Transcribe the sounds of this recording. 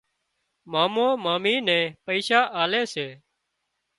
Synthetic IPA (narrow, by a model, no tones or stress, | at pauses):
maːmõːmaːmiːnɛ̃ːpəiːʃaːʔaːleːseː